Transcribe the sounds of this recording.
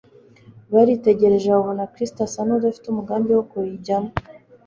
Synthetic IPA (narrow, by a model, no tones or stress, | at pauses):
βaɾite̞ɟe̞ɾe̞ʒeuβonakɾistasanodafi̥tumuɡaːmdewokuɾiɟamo